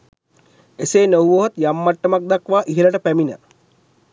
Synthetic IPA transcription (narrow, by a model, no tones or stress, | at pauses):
eseːnowuoɦɐt̪jamːaʈːəmak̚d̪akʋaːʔiɦeləʈəpæminə̰